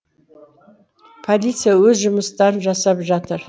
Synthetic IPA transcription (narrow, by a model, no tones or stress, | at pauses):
pʰolʲit̪sijawɵzʒʊmʊst̪ɑɾənʒɑsɑpʒɑt̪ʰəɾ